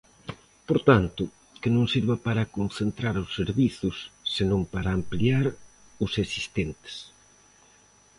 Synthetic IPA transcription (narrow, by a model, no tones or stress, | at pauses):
poɾt̪ant̪ʊ | kɪnõŋsiɾβapaɾakonθent̪ɾaɾosːeɾβiθʊsːenõmpaɾaːmpliaɾ | ʊsesist̪ent̪e̥s